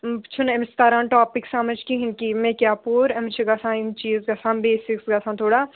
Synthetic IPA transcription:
t͡ʃʰunemst̪aːɾãːnʈaːpɪksamɐd͡ʒkĩɦɪnkimẽkʲjaːpoːɾɐmt͡ʃʰiɡɐsãːimt͡ʃiːzɡɐsãːmbeːsiksɡɐsʰãːnt̪ʰoːɽaː

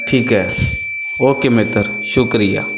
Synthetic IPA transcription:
ʈʰiːkɦɛː | oːkɪmet̪əɾ | ʃʊkɾija̰ː

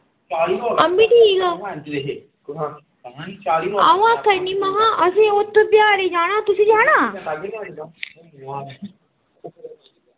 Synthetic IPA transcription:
ɐmːiʈiila | ɐʋãːk̪ɐnːimɐɦaʔɐseːot̪ːobjaːɾed͡ʒaːnãːt̪usid͡ʒeɦɐnaː

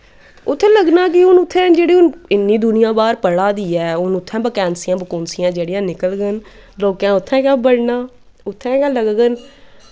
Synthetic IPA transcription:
ʊt̪ʰːɛ̃ːləɡnaːk̬ɪʊnʊt̪ʰːɛ̃ːd͡ʒeːɽiːʊnɪnːĩːd̪ʊnɪjãːbaːɾpəɽaːd̪iːɛːʊnʊt̪ʰːɛ̃ːbəkɛːnsɪjãːbəkoːnsɪjãːd͡ʒeːɽjãːnɪkəlɡən | loːkãːʊt̪ʰːɛ̃ːkaːbəɽnãː | ʊt̪ʰːɛ̃ːkaːləɡɡən

